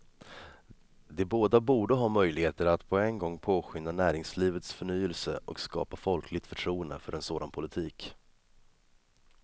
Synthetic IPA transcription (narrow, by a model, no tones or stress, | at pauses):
d̪ɛboːd̪abuːɖəɦɑːmœjlɪɡheːt̪əɾat̪pʰɔɛnɡɔŋːpʰoːɧʏnːanæːɾɪŋsliːvət̪sfœɳyːəlsə̰ʔɔkskɑ̰ːpafɔlkʰlɪɡ̚t̪fœʈʰɾuːənd̪ə̰fœɾʔɛnsoːd̪anpʰʊlɪt̪ʰiːk